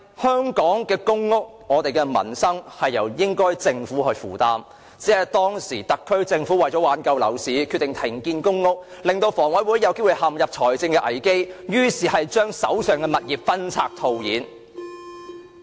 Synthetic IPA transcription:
hœː˥ŋkɔː˨˥ŋkɛː˧kʊ˥ŋːʊ˥k̚ŋɔː˨˧t̪e˨jkɛː˧mɐ̰˨˩nsɐ˥ŋhɐ˨jːɐ˨˩wjɪ˥ŋkɔː˥jt͡sɪ˧ŋfuː˨˥ɦɵ˧ɥfuː˨˩t̪aː˨˧m | t͡siː˨˥ɐ˨jt̪ɔː˥ŋsiː˨˩t̪ɐ˨kʰːɵ˥ɥt͡sɪ˧ŋfuː˨˥wɐ˨˩jt͡ʃɔ˨˥waː˨˥nkɐ˧wlɐ̰˨˩wsiː˨˥kʰy˧t̪ɪ˨ŋt̪ʰɪ˨˩ŋkiː˧nkʊ˥ŋːʊ˥k̚ | lɪ˨ŋt̪o˧wfɔː˨˩ŋwɐ˨˥jwuː˨˥jːɐ˨˧wke˥jwu˨˧jhɐ˨mjɐ˨p̚t͡ʃʰɔː˨˩jt͡sɪ˧ŋkɛː˧ʔɐ̰˨˩jke˥jjyː˥siː˨˩hɐ˨jt͡ʃœː˥ŋsɐ̰˨˥wsœː˨˩ŋkɛː˧mɐ˨t̚jiː˨p̚fɐ˥nt͡sʰa̰ː˧k̚t̪ʰo˨˧wjiː˨˥n

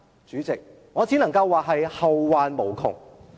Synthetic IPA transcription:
t͡ʃyː˨˥t͡sɪ˨k̚ | ŋɔː˨˧t͡siː˨˥nɐ˨˩ŋkɐ˧wːaː˨ɦɐ˨jhɐ˨wwaː˨˧nmo˨˩wkʰʊ̰˨ŋ

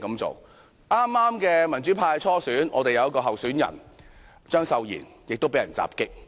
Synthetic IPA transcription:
kɐ˨˥mt͡so̰˨w | ʔaː˥mːaː˥mkɛː˧mɐ˨˩nt͡sy˨˥pʰaː˧jt͡ʃʰɔː˥syː˨˥nʔɔː˨˧t̪e˨jɐ˨˧wjɐ˥kɔː˧ɦɐ˨wsyː˨˥njɐ̰˨˩n | t͡ʃœː˥ŋsɐ˨˧wjḭː˨˩njɪ˨k̚t̪o˥wpe˨˥jɐ˨nt͡sa̰ː˨p̚kɪ˥k̚

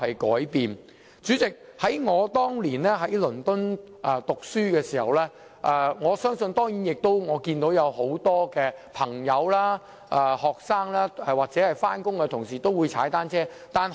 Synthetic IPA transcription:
hɐ˨jkɔ̰ː˨˥jpiː˨n | t͡syː˨˥t͡sɪ˨k̚hɐ˨˥jŋɔː˨˧t̪ɔː˥ŋliː˨˩nlɛː˥ɦɐ˨˥jlɵ˨˩nt̪ʊ˥n | ʔɛ˨˧t̪ʊ˨k̚syː˥kɛː˧siː˨˩hɐ˨wlɛː˥ | ʔɛ˨˧ŋɔː˨˧sœː˥ŋsɵ˧nt̪ɔː˥ŋjiː˨˥njɪ˨k̚t̪o˥wŋɔː˨˧kiː˧nt̪o˨˥wjɐ˨˧who˨˥wt̪ɔː˥kɛː˧pʰɐ˨˩ŋjɐ˨˧wlaː˥ | ʔɛː˨˩hɔː˨k̚saː˥ŋlaː˥ɛ˨waː˨˩k̚t͡sɛː˨˥hɐ˨jfaː˥nkʊ˥ŋkɛ˧t̪ʰʊ˨˩ŋsiː˨˩t̪o˥wuː˨˧jt͡sʰa̰ː˨˥jt̪aː˥nt͡sʰɛː˥ | t̪aː˨n

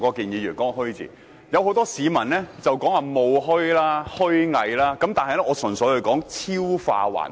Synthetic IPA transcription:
kɔː˧kiː˨njiː˨˧ɥyː˨˩nkɔː˥ŋ˨˧hɵ˥ɥt͡sḭː˨˩ | jɐ˨˧who˨˥wt̪ɔː˥siː˨˧mɐ˨˩nlɛː˥t͡sɐ˨wkɔː˨˥ŋwaː˨mo˨˧wɦɵ˥ɥlaː˥hɵ˥ɥŋɐ˨˧jlaː˥kɐ˨˥mt̪aː˨nhɐ˨jlɛ˥ʔɔː˨˧sɵ˨˩nsɵ˨˥jhɵ˨˧ɥkɔː˨˥ŋt͡sʰiː˥wfa̰ː˧wa̰ː˨˩n

